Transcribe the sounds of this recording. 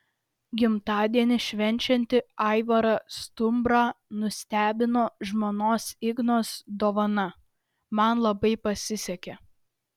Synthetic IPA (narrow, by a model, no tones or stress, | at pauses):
ɡʲɪmt̪ɑːd̪ʲiɛnʲɪʃʲʋʲɛnʲt͡ʃʲɛnʲt̪ʲɪɑɪʋɐɾɑst̪ʊmbɾɑːnʊsʲt̪ʲæːbʲɪnoːʒmoːnoːsɪɡnoːsd̪oːʋɐnɐ | mɐnlˠɐbɐɪpɐsʲɪsʲɛkʲɛ